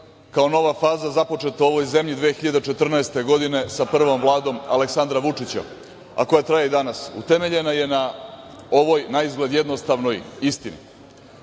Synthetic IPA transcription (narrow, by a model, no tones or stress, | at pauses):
kao̞no̞ʋafaːzazapo̞t͡ʂe̞t̪auo̞ʋo̞jze̞mʎid̪ʋeːxiʎad̪et͡ʃe̞t̪r̩naest̪e̞ɡo̞d̪ine̞sapr̩ʋo̞mvlˠaːd̪o̞ma̰leksand̪ɾaʋut͡ʂit͡ɕa̰ | a̰ko̞jat̪ɾajaid̪anasṵt̪e̞me̞ʎe̞naje̞na | o̞ʋo̞jnaizɡle̞d̪je̞d̪nost̪aʋno̞jist̪inḭ